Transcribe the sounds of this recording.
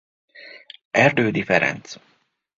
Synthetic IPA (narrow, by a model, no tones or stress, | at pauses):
ʔæɾd̪øːd̪ɪfɛɾɛ̰nt̪s